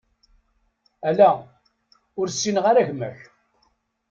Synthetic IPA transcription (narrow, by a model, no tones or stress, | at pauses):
ælæ | ʊɾsːinʁaɾæʝmæ̰ç